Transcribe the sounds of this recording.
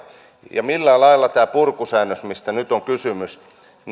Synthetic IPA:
jɑmilːælɑilːɑt̪æːpurkusæːnːøsmist̪ænyt̪oŋkysymys | n

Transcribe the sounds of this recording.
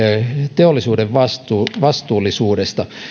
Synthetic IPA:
t̪eolːisuːdeʋʋɑst̪uʋɑst̪uːlːˑisuːdest̪ɑ

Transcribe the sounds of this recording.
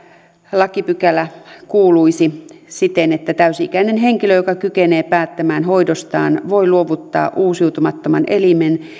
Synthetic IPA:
lɑkipykælækuːluisisit̪enet̪ːæt̪æysiḭkæinenɦeŋkiløjokɑkykeneːpæːt̪ːæmæːnhoidost̪ɑːnʋoiluoʋut̪ːɑ̰ːʔuːsiut̪umɑt̪ːomɑnʔelimen

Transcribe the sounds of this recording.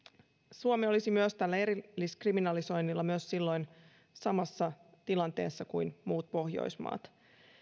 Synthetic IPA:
suomeolisimyøst̪ælːæe̞ɾiːiskriminɑliso̞jnːilːɑmyøssilːo̞jn | sɑmɑsːɑt̪ilɑnt̪e̞̰ːsːɑkujnmuːt̪̚po̞hjo̰jsmɑ̰ːt̪

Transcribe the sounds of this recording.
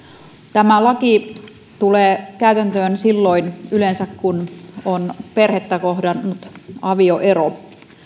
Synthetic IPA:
t̪æmælɑki | t̪uleːkæyt̪ænt̪øːnsilːoinylensækkunonperhet̪ːækohdɑnːut̪ɑʋioʔero

